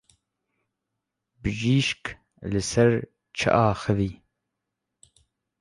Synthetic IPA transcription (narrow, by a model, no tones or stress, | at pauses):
bɨʒiːʃk | lɨsɐɾ | t͡ʃʰɐ̰ʔaːxɨviː